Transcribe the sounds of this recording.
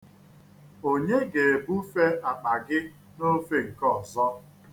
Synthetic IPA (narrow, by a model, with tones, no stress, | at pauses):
o˦ɲe˦ɡe˨e˨bu˦fe˦ʔa˨k͡pa˨ɡɪ˦ | no˦fe˨ŋ̩˨kɔ˦˨zɔ˦